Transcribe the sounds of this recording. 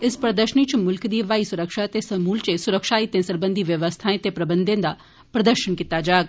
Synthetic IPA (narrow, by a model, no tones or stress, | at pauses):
ɪspɾəd̪əʃənit͡ʃmʊlkd̪iːʋaːisʊɾəkʃat̪esɐmuːlt͡ʃesʊɾəkʃaːit̪ẽsɐɾbə̃nd̪ʱiʋjɐʋəst̪ʰaːẽt̪epɾɐbə̃nd̪ʱẽd̪a | pɾɐd̪əɾʃənkit̪ad͡ʒaːɡ